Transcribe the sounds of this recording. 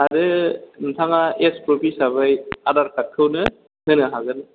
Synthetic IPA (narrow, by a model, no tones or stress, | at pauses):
aɾɯntʰaŋaespɾopʰisaβajadaɾkakʰːɯwnɯ | hɯnɯɦaɡɯn